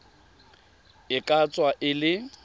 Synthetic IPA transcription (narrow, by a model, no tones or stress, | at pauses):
ɪkʼat͡sʼwaʔɪlɪ